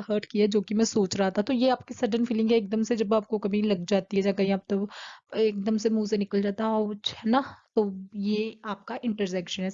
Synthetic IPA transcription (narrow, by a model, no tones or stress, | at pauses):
ɦəːɾʈkiad͡ʒoːkimɛ̃ːsoːt͡ʃɾaɦat̪aɦt̪ojeaːp̚kisɐɖənfiːlɪ̃ŋɡɦɛeːk̚d̪əmsed͡ʒɐbaːp̚kokɐbʱĩlɐɡd͡ʒaːt̪iɦɛd͡ʒaːkɐiãːp̚t̪ɐeːkd̪əmsemuːsẽnɪkəld͡ʒaːt̪aɦɛ̃ɔʊt͡ʃɦɛːnat̪oːjeːaːp̚kaʔɪ̃ɳʈəɾsɛːkʃənɦɛ